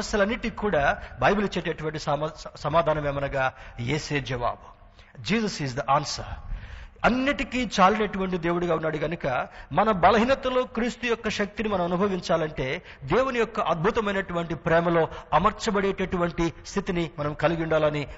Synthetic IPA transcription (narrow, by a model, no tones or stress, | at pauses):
ɐsjɐlɐnːiʈikuːɽaːbʱɐjbulit͡ʃːeːʈeːʈuʋɐɳʈ̬issɐmaːd̪ʱaːnɐmeːmɐnɐɡaːjḛːseːd͡ʒɐʋa̰ːbu | d͡ʒiːsɐsizd̪ɐʔaːnsɐ̰ɾ | ɐnːiʈikiːt͡ʃaːlinɐʈuʋɐɳʈid̪e̞ːwuɽuɡaːunːaːɽuɡɐnukɐmɐnɐbɐlɐɦinɐt̪ɐlo̞ːkɾiːst̪ujɔkːɐʃɐk̚t̪inimɐnɐmɐnubʱɐʋiɲt͡ʃaːlɐɳʈe̞ː | d̪eːwunijɔkːɐʔɐd̪̚bʱut̪ɐmɐjnɐʈuʋɐɳʈipɾɛːmɐlo̞ːɐmɐɾt͡ʃɐbɐɽeːʈɐʈuʋɐɳʈist̪ʰit̪inimɐnɐmkɐliɡuɳɖaːlɐni